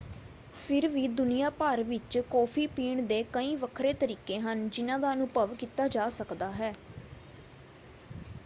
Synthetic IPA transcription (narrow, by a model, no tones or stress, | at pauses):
pʰɪɾʋiːd̪ʊnijaːpaːɾʋɪt͡ʃkɔːpʰiːpiːɳd̪eːkəĩːʋəkʰɾeːt̪əɾiːkeːɦənd͡ʒɪnãːd̪aːənʊpəʋkiːt̪aːd͡ʒaːsəkd̪aːɦɛː